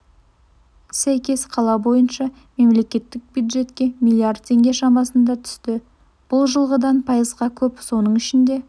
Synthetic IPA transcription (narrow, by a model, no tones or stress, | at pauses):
sæjkʲe̞sqʰɑlˠɑbo̞jənʃɑ | me̞mle̞kʲe̞t̪ːɪk̚bjud̪ʒe̞t̪kʲe̞milʲˠiard̪̚t̪ʲʰe̞ŋɡʲe̞ʃɑmɑsənd̪ɑt̪ʰʏ̥st̪ɪ | b̥ʊlˠʒəlˠʁəd̪ɑnpʰɑjəzʁɑkʲʰɵpso̞nəɴɪʃɪnd̪e̞